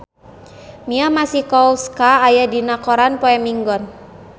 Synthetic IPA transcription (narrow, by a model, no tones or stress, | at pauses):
miamasihkɔuskaːjadinakɔɾanpɔɛmiŋɡɔn